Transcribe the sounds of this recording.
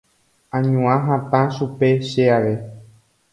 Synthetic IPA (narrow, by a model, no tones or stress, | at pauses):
ãɲũãɦãt̪ãʃupe̞ʃeaʋe